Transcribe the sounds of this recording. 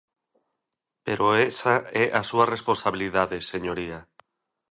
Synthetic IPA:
peɾʔoesaɛʔasuarespõnsaβiliðaðeseɲoɾia

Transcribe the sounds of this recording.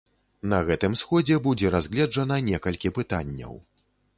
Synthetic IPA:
nɐɣɛt̪ɨmsxɔd͡zʲɛbud͡zʲɛɾazɣlʲɛd͡ʐɐnɐnʲɛkɐlʲkʲipɨt̪anʲːɐ̰w

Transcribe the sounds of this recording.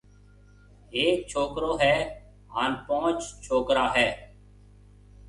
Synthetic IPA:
eːk̚t͡ʃʰoːkɾoːɦɛː | ɦaːnpõːt͡ʃt͡ʃʰoːkɾaːɦɛː

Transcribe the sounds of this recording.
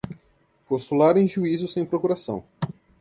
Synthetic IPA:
post̪ulaɾẽj̃ʒuizʊsẽj̃pɾokuɾasɐ̃w̃

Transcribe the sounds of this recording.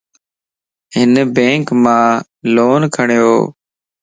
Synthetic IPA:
ɦɪnbẽːŋkmãː | loːnkʰəɳjoː

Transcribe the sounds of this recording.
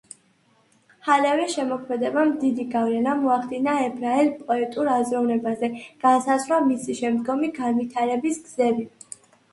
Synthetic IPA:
halɛvɾɛʃɛmɔkʰmɛd̪ɛbamd̪id̪iɡavlɛnamɔaχd̪inaɛbɾaɛlpʼɔɛt̪ʼuɾazɾɔvnɛbazɛɡ̥ansazɾamisiʃɛmd̪ɡɔmiɡanvit̪ʰaɾɛbisɡz̥ɛbi

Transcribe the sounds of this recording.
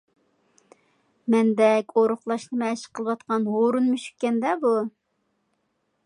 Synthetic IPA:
mɛnd̪ɛkʲoɾʊχlˠɑʃnɨmɛʃɨ̥qʰəlˠəwɑt̪qɑnɦoɾunmyʃy̥kʲkʲːɛnd̪ɛbu

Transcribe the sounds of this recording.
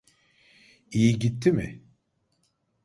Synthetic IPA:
ijiɟit̪ʰːimɪ

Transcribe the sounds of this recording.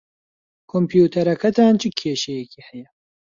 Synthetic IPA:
kʰompʰjuːt̪ʰɐɾɐkʰɐt̪ʰaːnt͡ʃʰɨkʰeːʃɛjɛkʰiːhɛjɛ

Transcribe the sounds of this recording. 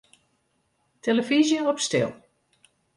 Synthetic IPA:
teləvizjənɔpstɪ̰lˠ

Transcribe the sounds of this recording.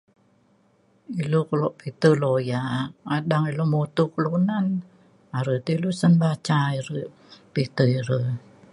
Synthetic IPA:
ilukəloʔpit̪əlojaaɗaŋilomot̪ukəluʔnan | aɾət̪iluʔsənbat͡ʃaiɾəʔ | pit̪əiɾə

